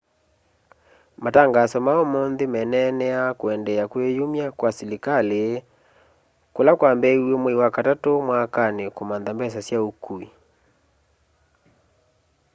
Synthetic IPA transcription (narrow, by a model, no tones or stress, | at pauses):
mataŋɡasɔmaɔmɔnðemɛnɛnɛakwɛndɛakwejomjakwasilikale | kolakwambɛiuomweiwakatatomwakanekomanðambɛs̬asjaukui